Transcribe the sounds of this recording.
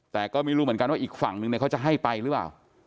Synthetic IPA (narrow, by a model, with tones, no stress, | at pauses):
t̪ɛː˨˩kɔː˥˩ma˥˩jɾuː˦˥˩m˩˦ŋka˧nwaː˥˩ʔiː˨˩k̚fa˩˦ŋnɯ˧ŋn˧˩ka˦˥t͡ɕa˨˩ɦa˥˩jpa˧jɾɯ˦˥la̰ː˨˩w